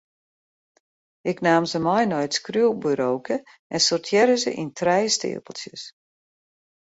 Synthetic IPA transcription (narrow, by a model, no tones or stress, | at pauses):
ɪknaːmzəmɔjnɔjtskryəlˠbyɾowkʰə | ɛnsɔrtʰjɛɾəzə̰ʔintʰrɛjstɪ̰əpəl̩ˠsjə̰s